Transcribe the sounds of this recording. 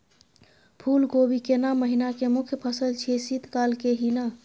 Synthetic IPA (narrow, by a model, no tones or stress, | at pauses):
pʰulɡobikenamːəɦinakemʊkʰjəpʰəsəlt͡ʃʰisit̪kalkeɦina